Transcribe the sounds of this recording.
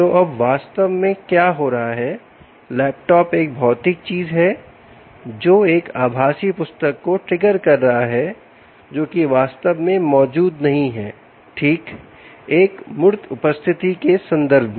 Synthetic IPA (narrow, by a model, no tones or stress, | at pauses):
t̪oʔɐbʋaːst̪əʋmẽkjaːɦoɾɐɦaɦɛ | lɛːp̚ʈɔːpeːk̚bʱɔːt̪ɪk̚t͡ʃiːzɦɛ | d͡ʒoːeːkaːbʱaːsipʊst̪əkːoʈɾɪɡəɾkɐɾːɐɦaɦɛ | d͡ʒoːkiʋaːst̪əʋmẽmɔːd͡ʒuːd̪nɐɦĩɦɛː | ʈʰiːk | eːkmʊɾt̪ʰʊpəst̪ʰɪt̪ikesɐ̃nd̪əɾbʱmẽ